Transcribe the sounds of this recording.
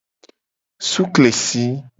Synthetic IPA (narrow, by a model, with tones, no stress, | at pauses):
su˦kle˨si˦